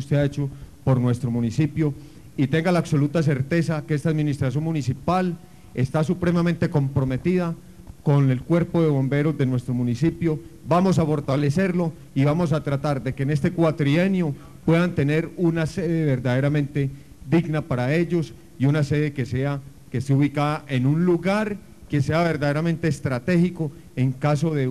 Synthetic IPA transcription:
st̪e̞aet͡ʃopo̞ɾnwe̞st̪ɾo̞munisipjo̞ | it̪e̞ŋɡalaːβso̞lut̪as̬e̞ɾt̪e̞sakeest̪aðmĩnist̪ɾas̬jo̞nmunisipal | e̞st̪asupɾe̞mament̪e̞ko̞mpɾome̞t̪iða | ko̞ne̞lkwe̞ɾpo̞ðe̞β̞o̞mbe̞ɾo̞zd̪e̞nwe̞st̪ɾo̞munisipjo̞bamo̞s̬afo̞ɾt̪alese̞ɾlo̞ | iβamo̞s̬at̪ɾat̪aɾd̪e̞kene̞st̪e̞kwat̪ɾienjo̞ | pwe̞ðant̪e̞ne̞ɾunase̞ðe̞βe̞ɾd̪aðe̞ɾamẽnt̪e̞ | ðiɡnapaɾae̞ʎo̞s | iunase̞ðe̞ke̞sea | keseuβikaðaʔe̞nunluɣaɾ | ke̞se̞aβe̞ɾd̪aðeɾamẽ̞nt̪e̞ːst̪ɾat̪e̞xiko̞ | e̞ŋkaso̞ðe

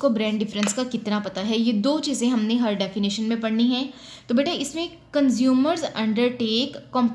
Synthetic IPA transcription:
kobɾɛ̃ːɳɖɖɪfɾə̃nskakɪt̪napɐt̪aɦɛjed̪oːt͡ʃiːzẽɦɐmneɦɐɾɖɛːfɪnɪʃənmẽpɐɽniɦɛ̃ː | t̪obeːʈʰaɪsmẽ | kɐ̃nzjuːməɾzɐ̰̃ɳɖəɾʈeːkːɔ̃ːmp

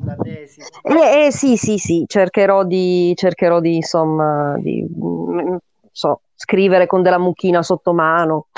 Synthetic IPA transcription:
ɛɛsisisit͡ʃerkeɾɔd̪it͡ʃerkeɾɔd̪insomːad̪ḭm | sɔ | skɾiːveɾekond̪elːamuk̟iːnasot̪ːomaːno

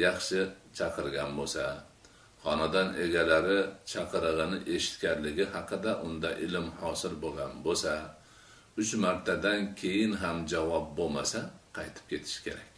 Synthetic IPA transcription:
jɑχʃɪt͡ʃʰɑqʰɨɾɡʲanbosa | χɒnad̪ɒne̞ɡʲalaɾɪt͡ʃʰɑqʰɨɾɨʁɨnɪʔe̞ʃɪ̥t̪kʲaɾlɪɡʲɪɦɑqʰɨd̪aʔʊnd̪aʔɪlɪmhɒsɪlbolˠɡʲanbosa | ʊt͡ʃmaɾt̪ʰad̪ankʲʰe̞jɪnɦamd͡ʒavɒp̚bolˠmasaqʰɑjt̪ʰɪ̥p̚kʲʰe̞t̪ʰɪ̥ʃkʲʰe̞̰ɾakʲ

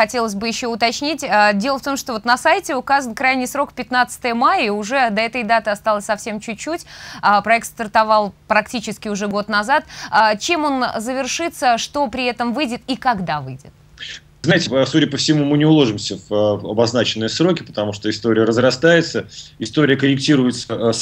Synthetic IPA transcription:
xɐtʲe̞lˠəs̬ʲbɨjɪɕːo̞ʊt̪ɐt͡ɕnʲitʲədʲe̞lˠəft̪o̞mʂt̪o̞vo̞t̪nɐsajtʲɪʊkazənkɾajnʲɪjsɾo̞kpʲɪt̪nat̪sə̥t̪əjəmajəiʊʐɛd̪ɐɛt̪əjd̪at̪ɨɐst̪alˠəsʲsɐfsʲe̞mt͡ɕʉt͡ɕːutʲəpɾɐɛk̚t̪st̪ərt̪ɐvɑlˠpɾɐktʲit͡ɕɪskʲɪʊʐɛɡo̞t̪nɐzat̪ət͡ɕemo̞nzəvʲɪrʂɨt̪səʂt̪o̞pɾʲɪɛt̪əmvɨjdʲɪt̪ikɐɡd̪avɨjdʲɪt̪̚ | ɨznaɪtʲɪsudʲɪəpəfsʲɪmumɨnʲɪʊlˠo̞ʐɨmsʲəvəɐ̰bɐznat͡ɕɪnːɨjəsɾo̞kʲɪpə̥t̪ɐmuʂt̪oɪst̪o̞ɾʲɪjəɾəzɾɐst̪ajɪt̪səɪst̪o̞ɾʲɪjəkəɾʲɪk̚tʲiɾʊjɪt̪sə

